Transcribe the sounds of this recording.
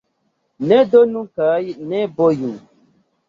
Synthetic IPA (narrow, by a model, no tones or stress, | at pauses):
nɛdonũkaːjinɛboju